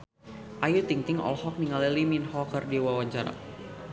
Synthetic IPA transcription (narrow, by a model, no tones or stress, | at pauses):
ʔajut̪iŋt̪ɪŋɔ̰lhɔk̚niŋaliliminhɔkərdiwawaɲt͡ʃaɾa̰